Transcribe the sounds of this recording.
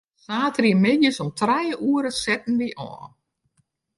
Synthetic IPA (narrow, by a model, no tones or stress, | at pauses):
saːtriəmɪdjəsɔmtʰrɛjuːəɾəsɛtn̩ʋiʔɔ̰ːn